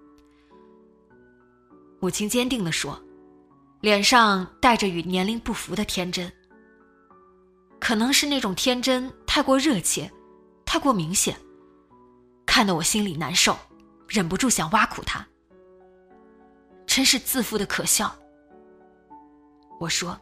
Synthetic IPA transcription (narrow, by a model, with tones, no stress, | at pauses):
wɔ˨˩t͡ɕʰi˥ŋt͡ɕjɛ˥nt̪i˥˩ŋd̪ə˩ʂwɔ˥ | ljɛ˨˩nʂɑ˥˧ŋt̪a˥˩ɪʈ͡ʂə˩y˨˩njɛ˧˥nli˥ŋpu˥˩fu˧˥d̪ə˧t̪ʰjɛ˥nʈ͡ʂə˥n | kʰɤ˨˩nɤ˧˥ŋʂɻ̩˥˧na˥˩ʈ͡ʂʊ˨˩ŋt̪ʰjɛ˥nʈ͡ʂə˥nt̪ʰa˥˧ɪkwɔ˥˧ɻɤ˥˩t͡ɕʰjɛ̰˥˩ | t̪ʰa˥˧ɪkwɔ˥˩mi˧˥ŋɕjɛ̰˨˩˦n | kʰa˥˩nd̪ɑ˧˩wɔ˨˩ɕi˥nli˨˩na̰˧˥nʂo˥˩ʊ | ɻə˨˩npu˧˥ʈ͡ʂu˥˩ɕjɑ˨˩ŋwa˥kʰṵ˨˩t̪ʰa̰˥ | ʈ͡ʂʰə˥nʂɻ̩˥˧t͡sɹ̩˥˩fu˥d̪ə˨kʰɤ˨˩ɕjɑ˥˩ʊ | wɔ˨˩ʂwɔ˥